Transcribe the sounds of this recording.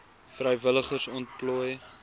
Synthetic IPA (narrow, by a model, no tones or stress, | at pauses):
frɛjvələχərsɔnt̚pluəj